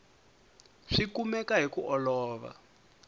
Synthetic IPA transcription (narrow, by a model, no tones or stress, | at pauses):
ʂikumɛkaɦikuʔɔlɔːβa̰